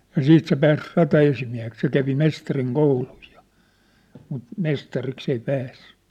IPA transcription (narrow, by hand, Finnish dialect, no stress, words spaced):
jɑ siːt se pæːs rɑtɑesimiæ̝hek se kæʋi mestɑriŋ kouluj jo̥ mut mestɑriks ei pæːsːẙ